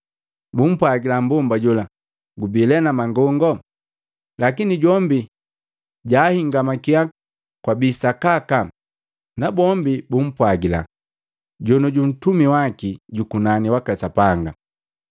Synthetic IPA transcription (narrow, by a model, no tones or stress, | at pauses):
bum̩pwaɡilambumbaɟula | ɡubilɛnamaŋɡɔŋɡɔ | lakiniɟɔmbi | ɟaːhiŋɡamakia | kwabisakaka | nabɔmbibum̩pwaɡila̰ | ɟɔnɔɟun̩tumiwakiɟukunaniwakasapaŋɡa